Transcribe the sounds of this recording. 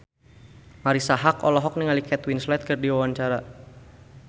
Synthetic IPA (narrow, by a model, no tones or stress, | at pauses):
maɾisaɦakɔlɔɦɔk̚niŋalikɛt̪winslɛt̪̚kərdiwawaɲt͡ʃaɾa